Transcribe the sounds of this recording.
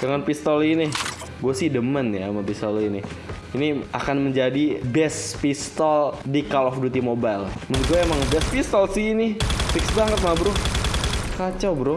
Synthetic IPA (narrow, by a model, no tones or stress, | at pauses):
d͡ʒaŋanpist̪ɔlini | ɡuasɪhdəmənjamapist̪ɔlini | inia̰kanməɲd͡ʒadibɛspist̪ɔldikalɔfdut̪imobajlmənt̪̚ɡuɛemaŋbɛspist̪ɔlsinifiksbaŋət̪̚mabɾʊ | kat͡ʃabɾo